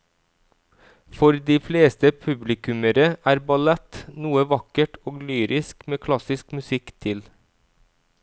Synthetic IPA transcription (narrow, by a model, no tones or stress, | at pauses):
fɔɾd̪iːfleːst̪əpʰʉblɪkʉməɾəʔæːɾbɑlɛt̪nuːəʋɑkəʈʰoːɡlyːɾɪskmeːkʰlɑsɪskmʉsɪkt̪ʰɪl